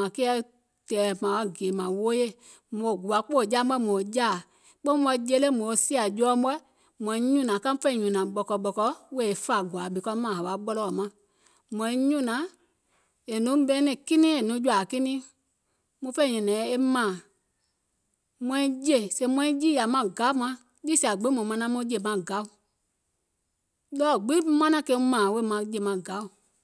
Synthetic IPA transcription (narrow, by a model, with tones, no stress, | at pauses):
ã˨kɛ˦ɛ˦ | tɛː˨mã˨wa˦˨ɡeː˨mã˨woː˦je˦˨ | mõ˨ɡu˨a˨˦k͡po˦˨d͡ʒaː˦ɛ˦mõː˨d͡ʒaː˦˨ | k͡pẽ˦mɔ˧˦d͡ʒe˧˦le˦mõː˨˦˨si˦a˨d͡ʒɔː˦m˦bɛ˦ | mɔ̃˨˧ĩ˧˦ɲũ˦nã˨kã˦ũ˦fɛ̃˦ĩ˨ɲũ˨nã˨ɓɔ˨kɔ˧ɓɔ˧kɔ˧we˦˨e˨fa˨ɡwa˨ɓi˨kɔ˧˦mãː˨ɦa˨a˨ɓɔ˧lɔ˨mã˨˦ | mɔ̃˧ĩ˦ɲũ˦nã˨˦ | e˨nũ˨˦ɓɛ̃ː˦nɛ̃˧˨ki˦nĩ˦e˨nũ˨˦d͡ʒu˧a˨ki˦nĩ˦ | mũ˧˦fɛ̃˦ĩ˨ɲũ˨nɛ̃˨˦e˦mãː˨ | mɔ̃˧˦ĩ˧˦je˨se˧˦mɔ̃˧˦ĩ˦d͡ʒi˦ja˨mã˧ɡa˨˦u˦mã˧ | d͡ʒi˦si˨a˨ɡ͡bi˦mɔ̃˨mã˧nã˧˦mũ˧˦d͡ʒe˦˨mã˧˨ɡa˨˦u˨ | lɔː˦˨ɡ͡bi˦mã˦nã˧˦kẽ˧˦˧mãː˨we˦˨mã˧d͡ʒe˧˨mã˨ɡa˨˦u˨